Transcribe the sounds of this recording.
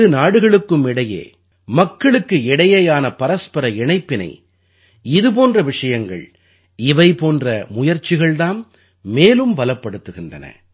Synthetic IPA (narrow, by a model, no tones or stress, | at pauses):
ɯnaːɽɯɣɐɭɯkːɯmɪɽɐjḛː | mɐkːɐɭɯkːɯɪɽɐjɐjaːnɐpɐɾɐspɐɾɐɪɳɐɪpːɪnɐ̰ɪ | ɪðɯp̬oːndrɐʋɪʂɐjɐŋɡɐ̰ɭ | ɪʋɐɪpoːndrɐmʊjɐɾt͡ʃːɪɣɐɭðaːn | meːlɯmbɐlɐpːɐɽɯt̪ːɯɣɪndrɐnɐ̰